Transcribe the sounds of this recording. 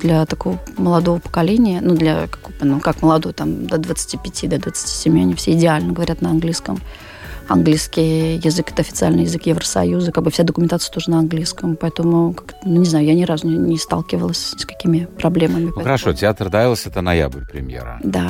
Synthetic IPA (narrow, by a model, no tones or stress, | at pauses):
d̪lʲət̪ɐko̞vəməlˠɐd̪ovəpə̥kɐlʲenʲɪjənud̪lʲə̰kḁkobənukakməlˠɐd̪ojt̪amd̪əd̪vət̪sɨ̥tʲipʲɪtʲid̪əd̪vət̪sɨ̥tʲi̥sʲɪmʲiɐnʲifsʲeɪdʲɪalʲnəɡəvɐɾʲat̪nəɐnɡlʲijskəm | ɐ̰nɡlʲijskʲɪjjɪzɨkɛ̥t̪əɐfʲɪt̪sɨa̰lʲnɨjɪzɨkjɪvɾəsɐ̰juzɨkaɡ̚bɨfsʲad̪əkʊmʲɪnt̪at̪ɨə̥t̪o̞ʐɨnəɐnɡlʲijskəmpɐɛt̪əmʊkakt̪ənunʲɪznajʊjanʲɪɾazʊnʲɪnʲɪst̪a̰lˠkʲɪvəlˠəsʲsʲkɐ̥kʲimʲɪpɾɐblʲe̞məmʲɪxəɾɐʂotʲɪat̪rd̪avʲɪlˠəsʲɛt̪ənaja̰bəɾʲpɾʲɪ̰mʲjḛɾə̰d̪a